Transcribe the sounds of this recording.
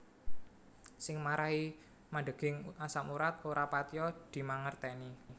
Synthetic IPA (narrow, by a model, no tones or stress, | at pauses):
sɪŋmaɾaɦi | maɖəɡ̥ɪŋasamuɾat̪̚oɾapat̪ijɔd̪̥i̤maŋərt̪ɛni